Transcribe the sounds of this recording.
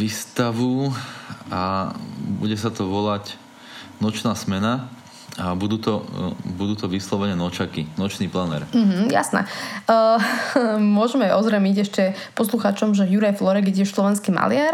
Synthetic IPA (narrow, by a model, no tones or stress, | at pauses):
ʋist̪aʋu | a | bṵɟɛs̬at̪ɔʋɔlac | nɔt͡ʃnaːsmɛna | abud̪uːt̪ɔbud̪uːt̪ɔʋislɔʋɛnɛnɔt͡ʃakinɔt͡ʃniːplanɛ̰ɾm̩ɦ̩ja̰snɛ̰ | mʊɔʒmɛʔɔzɾɛmiɟɛʃcɛpɔsluxaːt͡ʃɔmʒɛjuɾajflɔɾɛɡjɛɟɛslɔʋɛnskiːma̰lɪaɾ